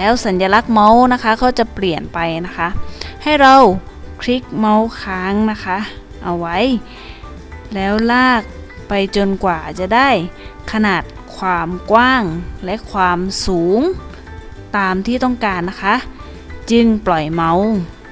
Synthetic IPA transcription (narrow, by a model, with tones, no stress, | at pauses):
lɛː˦˥wsa˨˦njaː˧la˦˥k̚ma˦˥wna˦˥kʰa˦˥kʰa˧˥˩wt͡ɕa˧˩˦pli˨˩ənpa˧jna˦˥kʰa˦˥ʔha˥˩jɾa˧w | kʰɾi˦˥k̚ma˧˥wkʰaː˧˥ŋna˦˥kʰa˦˥ | ʔa˨˧wːa˦˥˨j | lɛː˦˥wlaː˥˩k̚ | pa˧jt͡ɕo˧nkwaː˨˩t͡ɕa˨˩˦da˥˩jkʰa˧naː˨˩t̪̚kʰwaː˧mkwaː˥˩ŋlɛ˦˥ʔkʰwaː˧msuː˩˦ŋ | t̪aː˨˧mt̪ʰiː˥˩t̪ɔ˥˩ŋkaː˧nːa˦˥kʰa˦˥ʔ | t͡ɕɯ˧ŋplɔ˨˩jma˧˥w